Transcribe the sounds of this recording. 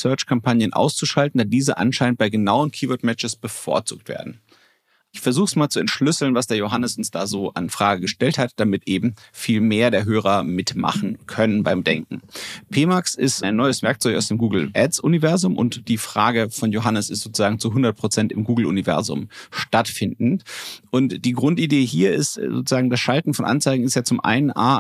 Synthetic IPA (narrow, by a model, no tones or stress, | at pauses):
sœɐt͡ʃkʰampʰanjənʔa̰ʊst͡suʃaltn̩daːdiːzəʔa̰nʃaɪnənt̚b̥aɪɡənaʊənkʰiːvʊɐtmɛt͡ʃəsb̥əfo̰ːɐt͡sṵːk̚tv̥ḛːɐdn̩ | ʔɪçfɛɐzuːxəsmaːlt͡suɛntʃlʏsl̩nvasd̥eːɐjoɦanəsʔʊnsd̥aːzoːʔa̰nfʁ̥aːɡəɡəʃtɛlthatd̥amɪtʔeːbm̩fiːlmeːɐdeːɐɦøːʁ̞ɐmɪtma̰χn̩kʰœnənbaɪmdɛŋk̚ŋ̩pʰeːmaksɪstʔaɪnːɔʏəsv̥ɛɐk̚t͡sɔçaʊsd̥eːmɡuːɡl̩ʔɛtsʔʊnivɛɐzʊmʔʊ̰ntd̥iːfʁ̥aːɡəfɔnjoɦanəsɪstz̥oːt͡suzaːɡŋ̩t͡suɦʊndɐt̚pʁ̥ot͡sɛntɪmɡuːɡl̩ʊ̰nivɛ̰ɐzʊ̰mʃtatfɪndn̩tʔʊntd̥iːɡʁʊntideːɦiːɐɪstzo̰ːt͡su̥z̥aːɡŋ̩dasʃaltn̩fɔnʔa̰nt͡saɪɡŋ̩ɪstjaːt͡sʊmʔa̰ɪnənʔa̰ː